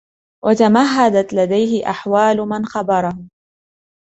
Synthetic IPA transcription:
wʔat̪amaɦːad̪at̪lad̪ajhɪʔa̰ħwaːlʊmanxɑbɑɾˤɑhʊm

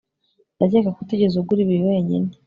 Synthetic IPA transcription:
ndaɟekakuteɟezuɡuɾiβiɾiwe̞ːɲḭne

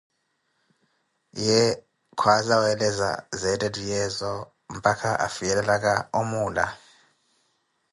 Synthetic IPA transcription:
jɛ | kʰwazawɛlɛza̰zɛtʼɛdʱʼijɛzɔ | mpʼakʰaʔa̰fijɛlɛlakʼaomuːla̰

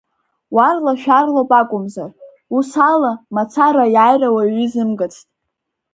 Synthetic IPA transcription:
warlaʃᶣarlopʼakʷʼʊmzar | usalamat͡sʰaɾajaːjrawaɥizɨmɡʼɨt͡sʰtʼ

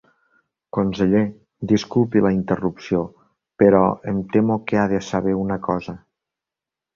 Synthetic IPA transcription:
konseʎe | d̪iskulˠpiləint̪ərupsio | pəɾɔent̪emokeaðesaβ̞eunəkɔzə

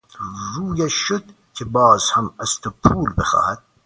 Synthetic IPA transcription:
ɾuːjæʃod̪ | kʰebɑːzhæmæst̪ʰopʰuːlbexɑ̰ːhæd̪̥̚

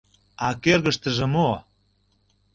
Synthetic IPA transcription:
ɑkerɣəʃt̪ə̆ʒĕmo

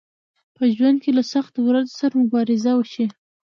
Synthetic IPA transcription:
pəʒwand̪̚kelasaxt̪owɾazosaɾamʊbɑɾɪzawəʃi

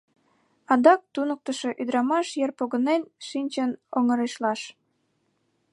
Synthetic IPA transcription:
ɑd̪ɑk̚t̪unək̚t̪əʃo̽ʔyd̪ɾɑmɑʃjərpoɣənenʃinʲt͡ɕənoŋə̆ɾeʃlɑʃ

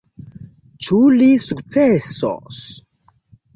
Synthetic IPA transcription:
t͡ʃulisukt͡seso̰s

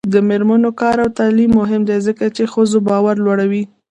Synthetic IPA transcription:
d̪əmeɾmanokɑɾawt̪ɑlimːʊɦɪmd̪ajzəkat͡ʃexəzobɑwaɾlwaɽawi

